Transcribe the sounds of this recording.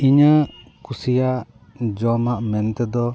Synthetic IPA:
iɲə | kusijaʔ | d͡ʒɔmaʔmɛnt̪ɛd̪ɔ

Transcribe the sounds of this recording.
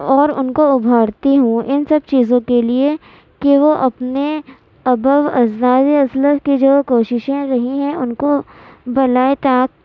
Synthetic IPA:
ɔːɾʊ̰nkoʊbʱaːɽt̪iɦũʔɪnsɐbt͡ʃiːzõkelie | keʋoʔɐpne | ɐbəʋɐ̰zd̪aːd̪iɐsləkid͡ʒoːkoːʃɪʃẽɾɐɦĩɦɛ̃ʊnkobɐlaːet̪aːk̚

